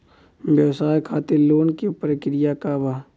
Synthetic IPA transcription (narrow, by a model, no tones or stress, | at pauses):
ʋjɐwsaːjkʰaːt̪eloːnkepɾəkɾɪjakabaɦ